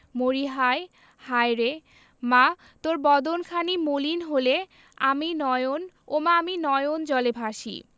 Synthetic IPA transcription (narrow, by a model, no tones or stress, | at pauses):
moɾiɦae | hajɾe | ma | t̪oɾbɔd̪onkʰanimolinɦole | aminɔjon | omaaminɔjond͡ʑɔlebʱaʃḭ